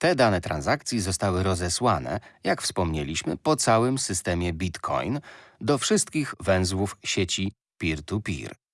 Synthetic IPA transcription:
t̪ɛd̪anɛt̪ɾa̰nzak̚t̪sʲjizɔst̪awɘɾɔzɛswanɛ̰jakfspɔmɲelʲiɕmɘ̰pɔt̪sawɘmsɘst̪ɛmʲjɛbʲit̪kʰɔ̰jnd̪ɔfʂɘst̪̚kʲiɣvɛ̃w̃zwufɕet͡ɕi | pʲiɾt̪upʲḭɾ

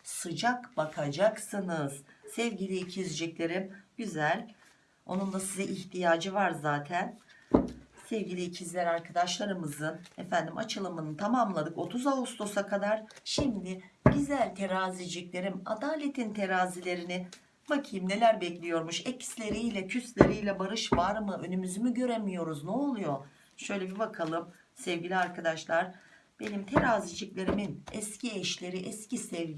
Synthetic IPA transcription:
sɯd͡ʒakbakʰad͡ʒaksɯnɯz̥sɛvɟilʲiːcʰizd͡ʒɛclʲe̞ɾimɟyzælʲ | o̞̰nund̪ˠasizɛʔiçt̪ʰijaːd͡ʒɯvaɾzaːt̪ʰæn | sɛvɟilʲiːcʰizlʲæɾaɾkʰad̪aʃlˠaɾɯmɯzɯnɛfænd̪imʔa̰t͡ʃʰɯlˠamɯnɯt̪ʰamamlˠad̪ɯko̞t̪ʰuzaɦust̪ʰo̞sakʰad̪aɾ̥ʃimd̪ɪbizlʲæɾt̪ʰe̞ɾaːzid͡ʒiclʲe̞ɾima̰d̪aːlʲe̞t̪ʰint̪ʰe̞ɾaːzilʲe̞ɾinɪ | macʰimne̞lʲæɾbɛclʲijo̞ɾmuʃɛcslʲe̞ɾijlʲɛcʰyst̪lʲeɾijlʲɛbaɾɯʃvaɾmɯʔø̞nymyzymyɟø̞ɾemijo̞ɾuznuolˠujo̞ | ʃø̞jlʲebibakʰalˠɯm | sɛvɟilʲiaɾkad̪aʃlˠaɾ̥ | b̥e̞nimt̪ʰeɾaːzid͡ʒiclʲe̞ɾiminɛsciɛʃlʲe̞ɾiʔɛscisɛv

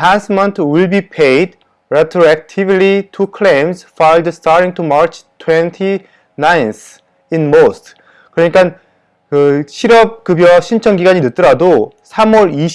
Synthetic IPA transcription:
ansmʌntʰwiɭbipʰejd | ɾetʰɾoek̚tʰiblitʰukʰlẽmsfajldstʰaɾɾiŋtʰumaɾt͡ɕʰtʰwentʰi | najns | inmostʰ | kɯɾʌɲik͈an | kɯɕʰiɾʌp̚kɯbjʌɕʰint͡ɕʰʌnɡiɡaɲinɯt̚t͈ɯɾado | sʰamʌɾi

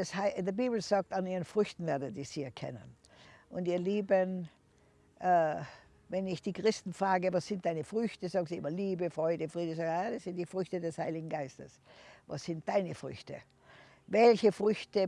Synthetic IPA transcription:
ɛshaɪdibiːbl̩zaːk̚taniːʁənfʁʏçtn̩vɛɐdətzɪçz̥iːɛɐkʰɛ̰nə̰n | ʔʊntiːɐliːbən | ʔ | vɛnɪçd̥iːkʁ̥ɪstn̩fʁ̥aːɡəvasz̥ɪnt̚d̥aɪnəfʁʏçtəzaːɡnziɪmɐliːbəfʁ̥ɔʏdəfʁ̥iːdəzaːɡadasz̥ɪnt̚d̥iːfʁʏçtədɛshaɪlɪɡŋ̩ɡaɪstəsva̰sz̥ɪnt̚d̥aɪnəfʁʏ̰çtə̰ | vɛlçəfʁʏçtə

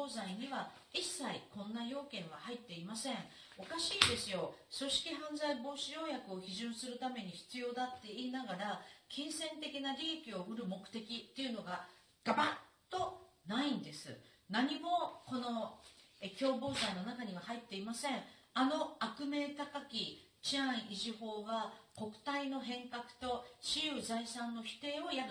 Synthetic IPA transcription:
oːzaiɲ̟iβa | isːaikõ̞nːajo̞ːkẽ̞ɰ̃β̞ahait̪ːe̞imasẽ̞ɴ̃ | o̞kaɕiːd̪e̞sɨjo̞so̞ɕi̥kʲiɦãñd͡zaibo̞ːɕijo̞ːjakɯ̟o̞çiʑɨ̃ɰ̃sɨɾɯ̟t̪ame̞ɲ̟içi̥t͡sɨjo̞ːd̪at̪ːe̞iːnaɡaɾakʲĩɰ̃sẽ̞nt̪e̞kʲinaɾʲiekʲio̞ɸɯ̟ɾɯ̟mo̞kɯ̟̥t̪e̞kʲit̪ːe̞ɯ̟no̞ɡa | ɡ̥abatt̪ːo̞naĩnd̪e̞sɨ̰ | naɲ̟imo̞ko̞no̞ekʲo̞ːbo̞ːsaino̞nakaɲ̟iβ̞ahait̪ːe̞imasẽ̞ano̞akɯ̟me̞ːt̪akakʲi | t͡ɕiãɰ̃ʔiʑiho̞ːɡako̞kɯ̟̥t̪aino̞ɦẽ̞ŋkakɯ̟̥t̪o̞ɕiɯzaisãnːo̞çi̥t̪e̞ːo̞ja

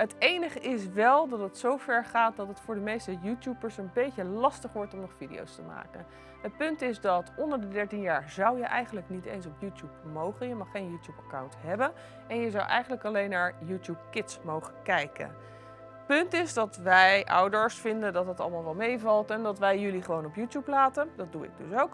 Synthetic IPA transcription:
ɦətejnəχəʔɪs̬ʋɛlˠdɑtətsowvɛɹχaːt̚dɑtətfʊːɹdəmejstəjutjupəɹsənbejcəlɑstəχʋɔɹtɔmnɔχfidḭo̰wstəma̰ːkən | ət̚pɵntɪzdɑtɔndəɹdədɛɹtinjaːɹzɑwjəʔɛ̰jχənləknitḛjnsɔpjuːtjupmowχəjəmɑχːejnjuːtjupɑkawntɦɛbən | ɛnjəzɑwʔɛ̰jχən̩ləkɑlejnːaːɹjuːtjup̚kɪtsmowχənkɛjkə̰n | pɵntɪzdɑtʋɛjʔɑ̰wdəɹsfɪndəndɑtɦətɑ̰lˠmaːlˠʋɑlˠmejvɑlˠtɛndɑtʋɛjjɵliχəʋownɔpjuːtjuplaːtəndɑt̚duɪ̰ɡ̚dɵ̰sowk

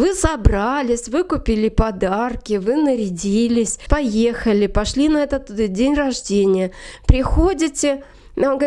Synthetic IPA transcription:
vɨsɐbralʲɪsʲvɨkʊpʲilʲɪpɐd̪arkʲɪvɨnəɾʲɪdʲilʲɪsʲpɐje̞xəlʲɪpɐʂlʲinɐɛt̪ət̪dʲenʲrɐʐdʲenʲɪjəpɾʲɪxodʲɪtʲɪ | onɡə

